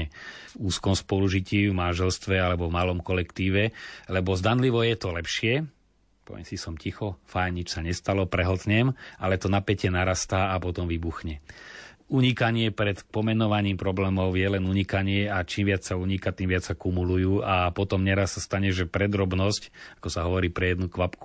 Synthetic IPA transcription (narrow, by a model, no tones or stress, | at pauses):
ɛvuːskɔmspɔluʒiciːvmanʒɛlst̪ʋɛalɛbɔvmalɔmkɔlɛkt̪iːʋɛlɛbɔzd̪anliʋɔjɛt̪ɔlɛpʃɪɛ | pɔ̰ʋɪɛ̰msisɔmcixɔfajnɲit͡ʃsaɲɛst̪alɔpɾɛɦɔlt̪ɲɛmʔalɛt̪ɔnapɛcɛnaɾast̪aːpɔt̪ɔmʋibuxɲɛ | uɲikaɲɪɛpɾɛt̪pɔmɛnɔʋaɲiːmpɾɔblɛːmɔʊjɛlɛnuɲikaɲɪɛat͡ʃiːmʋɪat͡ssauɲikat̪imʋɪat͡ssakumulujuːapɔt̪ɔmɲɛɾasːast̪aɲɛʒɛpɾɛd̪ɾɔbnɔscakɔsaɦɔʋɔɾiːpɾɛjɛd̪nukʋapku̥